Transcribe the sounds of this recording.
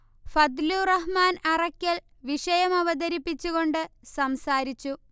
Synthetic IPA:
fɐd̪lurɐɦmaːnɐrɐkʲːɐɭ | ʋiʂɐjɐmɐʋɐd̪ɐɾipːit͡ɕːuɣo̞ɳɖɨsɐmsaːɾit͡ɕːu

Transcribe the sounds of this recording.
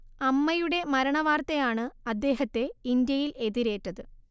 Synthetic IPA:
ɐmːɐjuɽe̞mɐɾɐɳɐʋaːrt̪ɐjaːɳɨɐd̪ːe̞ːɦɐt̪ːe̞ind̪jɐjile̞ðiɾe̞ːʈːɐðɨ

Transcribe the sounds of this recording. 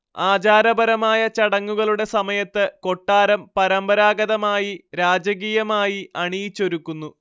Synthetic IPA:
aːd͡ʑaːɾɐbɐɾɐmaːjɐt͡ɕɐɽɐŋːuɣɐɭuɽe̞sɐmɐjɐt̪ːɨko̞ʈːaːɾɐmpɐɾɐmbɐɾaːɡɐðɐmaːjiɾaːd͡ʑɐɣiːjɐmaːjiʔɐɳijit͡ɕːo̞ɾukːunːu

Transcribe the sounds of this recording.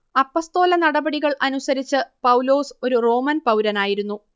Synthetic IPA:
ɐpːost̪o̞ːlɐnɐɽɐbɐɽiɣɐɭʔɐnusɐɾit͡ɕːɨpɐwlo̞ːso̞ɾuro̞ːmɐnpɐwɾɐnaːjiɾun̪ːu

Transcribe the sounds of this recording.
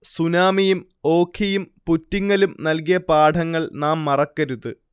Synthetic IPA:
sunaːmijum | o̞ːkʰijumputːiŋːɐlumnɐlk̬ijɐpaːɖʱɐŋːɐɭnaːmːɐrɐkːɐɾuðɨ

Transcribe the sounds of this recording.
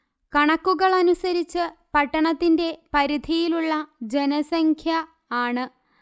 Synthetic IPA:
kɐɳɐkːuɣɐɭɐnusɐɾit͡ɕːɨpɐʈːɐɳɐt̪ːinde̞pɐɾid̪ʱijiluɭːɐd͡ʑenɐsɐŋkʰjɐ | aːɳɨ

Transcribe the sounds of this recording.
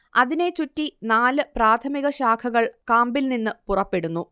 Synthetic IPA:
ɐðine̞t͡ɕutːinaːlɨpraːt̪ʰɐmiɣɐɕaːkʰɐɣɐɭkaːmbilninːɨpurɐpːeɽunːu

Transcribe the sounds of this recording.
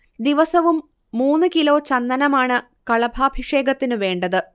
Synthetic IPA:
d̪iʋɐsɐʋumː | uːnːɨkilo̞ːt͡ɕɐnːɐnɐmaːɳɨ | kɐɭɐbʱaːbʱiʂe̞ːɡɐt̪ːinɨʋe̞ːɳɖɐðɨ

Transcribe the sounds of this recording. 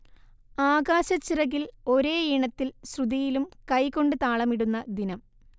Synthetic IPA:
aːɡaːɕɐt͡ɕːirɐɣilo̞ɾe̞ːiɳɐt̪ːilsrud̪ijilumkɐjko̞ɳɖɨt̪aːɭɐmiɽunːɐd̪inɐm

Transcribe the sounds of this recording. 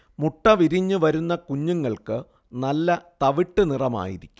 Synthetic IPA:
muʈːɐʋiɾiɲːɨʋɐɾunːɐkuɲːuŋːɐɭkɨ | nɐlːɐt̪ɐʋiʈːɨnirɐma̰ːjḭɾikʲːu

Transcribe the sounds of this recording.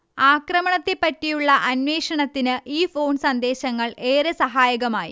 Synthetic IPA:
aːkrɐmɐɳɐt̪ːepːɐtːijuɭːɐʔɐnweːʂɐɳɐt̪ːinɨʔiːfo̞ːnsɐnd̪e̞ːɕɐŋːɐɭe̞ːɾesɐɦaːjɐɣɐmaːjḭ

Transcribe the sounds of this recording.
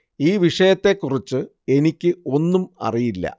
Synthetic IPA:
iːʋiʂɐjɐt̪ːe̞kːurit͡ɕːɨ | e̞nikʲːɨo̞nːumɐ̰rijilːɐ̰

